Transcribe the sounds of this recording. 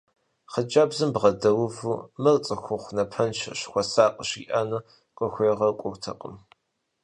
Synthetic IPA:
χəd͡ʒaːbzɨmbʁɐdɐwʊvuːmɨrt͡sʼɐxʷʊχʷnɐpʰɐnt͡ʃʰɕxʷɔsaːqʼəɕḭːʔɐnɨ | qʷʼɔxʷeːʁɐrkʷʼʊwtʰɐ̰qʼə̰m

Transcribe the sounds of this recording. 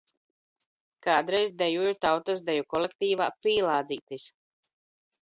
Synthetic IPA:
kaːd̪ɾɛjzd̪ɛjuiɾt̪awt̪asd̪ɛjukɔlɛkt̪iːva̰ːpiːlˠaːd̪ziːt̪is

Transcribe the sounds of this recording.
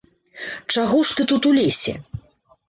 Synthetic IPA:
t͡ʂaɣɔʂt̪ɨt̪ut̪ulʲesʲɛ̰

